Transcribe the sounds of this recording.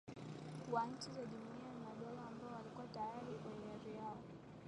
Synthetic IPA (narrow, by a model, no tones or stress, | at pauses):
kuwanɲ̩t͡ʃizaʄumuianimaɗɔlaːmbaɔwalikuwatajaɾikaiaðijaɔ